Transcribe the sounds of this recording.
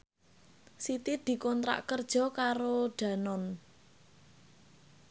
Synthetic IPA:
sit̪id̪̥i̤kɔnt̪ɾa̰ʔkərd̥ʒ̥ɔ̤kaɾoɖ̥ä̤nɔn

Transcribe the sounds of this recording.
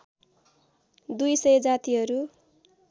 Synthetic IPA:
d̪ujsʌjd͡zat̪iɦʌɾu

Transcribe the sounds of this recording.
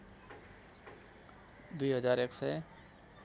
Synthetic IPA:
d̪uiːɦəzaːɾeksɛ

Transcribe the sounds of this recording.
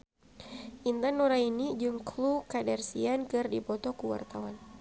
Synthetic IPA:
ʔint̪anuɾainid͡ʒɨŋkʰlukadɛrsiankɨrdipɔt̪ɔkuwa̰rt̪awan

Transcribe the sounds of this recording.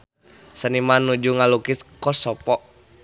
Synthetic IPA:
sənimanːud͡ʒuŋalukiskɔsɔpɔ

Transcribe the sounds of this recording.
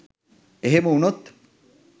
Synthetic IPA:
eɦemuunot̪

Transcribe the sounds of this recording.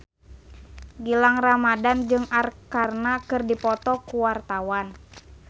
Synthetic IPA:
ɡilaŋramadand͡ʒɨŋʔarkarnakɨrdipɔt̪ɔkuwart̪awan

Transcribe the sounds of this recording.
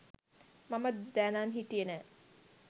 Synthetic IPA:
mɐməd̪ænaːnɦiʈijenɛː

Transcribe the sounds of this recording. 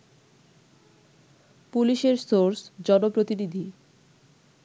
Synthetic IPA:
puliʃeɾsoɾsd͡ʑɔnopɾot̪inid̪ʱi

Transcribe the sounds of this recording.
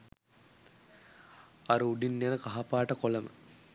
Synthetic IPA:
aɾuuɖinːjenəkaɦapaːʈəkoləmə̰

